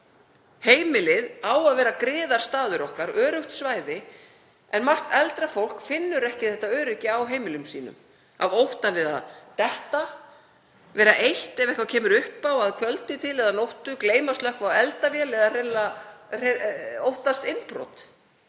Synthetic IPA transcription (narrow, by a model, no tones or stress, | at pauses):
heːjmɪlɪðaːwaðvɛːɾakɾɪːðaɾ̥st̪aːðʏɾɔhkaɾœːɾʏht̪svaːjðɪ | ɛnmar̥t̪ɛlt̪ɾafowl̥kfɪnːʏɾɛhcɪθɛht̪aœːɾʏcɪawɦeːjmɪlʏmsḭːnʏ̰m | a̰vowht̪avɪða̰ðt̪ɛht̪a | vɛːɾaʔejht̪ɛvɛhkvacʰɛːmʏɾʏhpawaðkʰvœlt̪ɪt̪ʰɪlɛðanowht̪ʏkleːjmaslœhkvaɛlt̪avjɛlɛðarɛlarowht̪ast̪ɪnpɾɔ̰t̪